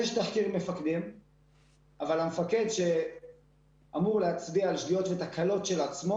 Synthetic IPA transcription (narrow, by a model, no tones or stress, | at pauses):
jeʃtaχkiʁme̞fakd̪im | avalamefake̞dʃe̞ | amuʁleat͡sbiaːlʃdijo̞t̪vet̪akalo̞tʃe̞lat͡smo